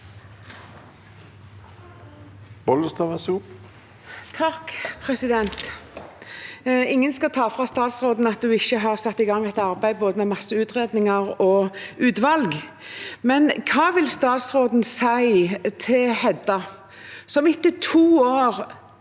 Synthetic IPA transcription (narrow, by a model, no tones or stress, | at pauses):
b̥ɔləst̪ɑʋɛsuː | t̪ʰɑkpʰʁɛsɪd̪ɛnt̪ | ɪŋːənskɑt̪ʰɑːfʁɑst̪ɑːt̪sʁoːd̪n̩ɑt̪̚d̪ʉɪçːəɦɑːʁsɑt̪ːɪɡɑŋːɛt̪ɑɾbæɪd̪boːd̪əmɛmɑsːəʉːt̪ʁeːd̪nɪŋəʁɔʉːt̪ʋɑlɡ | mɛnkʰɑːʋɪlst̪ɑːt̪sʁoːd̪n̩sæɪt̪ʰɪlhɛd̪ɑ | sɔmɪt̪ːət̪ʰuːoːʁ